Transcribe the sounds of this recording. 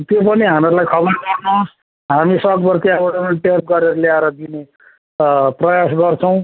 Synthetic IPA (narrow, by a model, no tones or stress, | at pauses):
t̪jop̬ʌniɦameɾulajkʰʌbʌrɡʌrnus | ɦamisʌkbʌrkiabʌʈʌnlʈep̚ɡʌɾeɾʌleaeɾʌd̪ine | prʌjasɡʌrt͡sʰʌw̃